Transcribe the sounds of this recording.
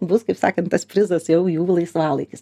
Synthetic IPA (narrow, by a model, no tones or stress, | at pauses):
bʊskɐɪpsɑ̰ːkɐntɐspʲɾʲɪzɐsjɛʊjuːlˠɐɪsʋɑːlˠɐɪkʲɪs